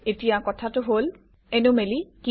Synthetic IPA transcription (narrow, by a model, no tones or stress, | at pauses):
etijakɔtʰatʊɦol | ɛnomeliki